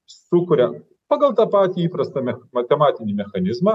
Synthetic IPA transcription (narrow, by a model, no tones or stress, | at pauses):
sukʊɾʲa | pɐɡɐlˠt̪ɐpat̪ʲiipɾɐst̪ɐmʲmɐkɐmatʲɪnʲɪmʲɛxɐnʲizmɐ